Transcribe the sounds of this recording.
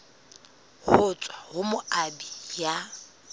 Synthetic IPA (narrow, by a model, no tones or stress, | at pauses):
hʊt͡sʼwahʊmʊabija